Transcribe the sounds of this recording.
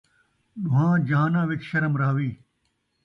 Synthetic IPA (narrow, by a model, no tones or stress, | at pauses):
ɗʊɦãːd͡ʑaːnãːʋɪkʃɐɾəmɾaːʋiː